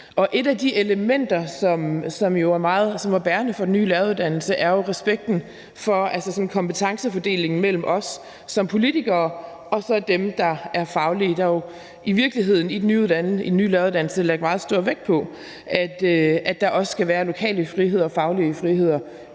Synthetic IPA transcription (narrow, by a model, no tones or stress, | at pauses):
ʔɒ̽ʔe̝d̥æd̥iʔeləmen̰d̥ɐsɒ̽msɒ̽mjo̝æɐmɑ̈ːð̞̩ˠsɒ̽mʋæb̥æːɐnəfɒ̽d̥enːy̰ːlæɐuðˠd̥æn̰l̩səʔæɐjo̝ʁɛsb̥eɡ̥̚d̥n̩ | fɒ̽ælsəsɒ̽n̩kʰɒ̽mpʰət͡sʰɑ̈ŋsəfɒ̽d̥e̝̰ːle̝ŋn̩mel̰m̩ʔɒ̽sː | ɒ̽mpʰo̝lit͡sʰiɡ̥ɐː | ɒ̽sɒ̽d̥emd̥ɑ̈æɐfɑ̈ʊlid̥ɑ̈jo̝ | ʔiʋiɐɡ̥liɦe̝ð̞̰ˠn̩id̥enyːuðˠd̥ænid̥nːy̰ːlæɐʊuðˠd̥ænl̩səleɡ̥mɑ̈ːð̞̩ˠsd̥ɔ̰ɐ̰ʋeɡ̥̚pʰɒ̽ | ʔæd̥æd̥ɑ̈ʔɒ̽sə̥sɡ̥æʋæːɐlo̝kʰɛ̰ːləfʁihe̝ð̞̰ˠɐɒfɑ̈ʊliəfʁiɦe̝ð̞̰ˠɐ